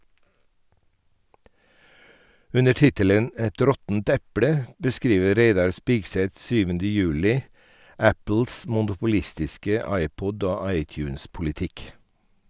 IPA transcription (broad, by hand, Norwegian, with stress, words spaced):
ˈʉnə ˈʈɪtələn ˈɛt ˈɾɔtn̩t ˈɛpɽə bəˈskɾiːʋə ˈɾeɪdɑɾ ˈspɪɡsɛt ˈsyːʋəndə ˈjʉːlɪ ˈæpl̩s mʊnʊpʊˈlɪstɪskə ˈɑɪˌpɔd ˈoː ˈɑɪˌtjʉːnspʊlɪˌtɪk